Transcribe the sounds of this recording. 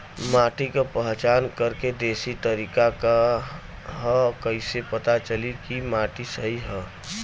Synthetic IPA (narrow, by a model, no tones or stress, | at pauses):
maʈikepəɦt͡ʃaːnkəɾked̪esit̪əɾikaka | ɦəkəɪsepət̪at͡ʃəlikimaʈisəɦiɦə